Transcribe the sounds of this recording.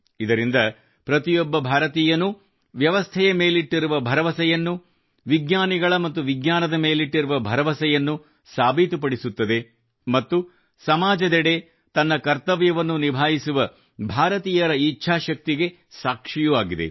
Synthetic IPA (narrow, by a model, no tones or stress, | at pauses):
id̪ɐɾind̪ɐ | pɾɐt̪ijɔbːɐbʱaːɾɐt̪iːjɐnu | ʋjɐʋɐst̪ʰɛjɐmeːliʈːiɾuʋɐbʱɐɾɐʋɐsɛjɐnːu | ʋiɡnaːniɡɐɭɐmɐt̪ːuʋiɡnaːnɐd̪ɐmeːliʈːiɾuʋɐbʱɐɾɐʋɐsɛjɐnːu | saːbʱit̪upɐɽisut̪ːɐd̪e̞ | mɐt̪ːu | sɐmaːd͡ʒɐd̪ɛɽe̞ | t̪ɐnːɐkɐɾt̪ɐʋjɐʋɐnːunibʱaːjisuʋɐ | bʱaːɾɐt̪iːjɐɾɐit͡ʃːʃʰaːʃɐk̚t̪iɡe̞ | saːkʂijuʋaːɡid̪e̞̰